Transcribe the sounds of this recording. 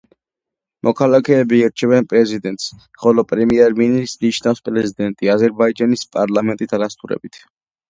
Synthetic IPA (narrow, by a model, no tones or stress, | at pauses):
mʔɔkʰalˠakʰɛːbiːɾt͡ʃʰɛbɛnpʼɾɛzid̪ɛnt̪ʼs | χɔlɔpʼɾɛmiɛɾminismnit͡ʃʰnafspʼɾɛzid̪ɛnt̪ʼiazɛɾbaid͡ʒanispʼaɾlˠamɛnt̪ʼit̪ʰaɾast̪ʰʼuɾɛ̰bit̪ʰ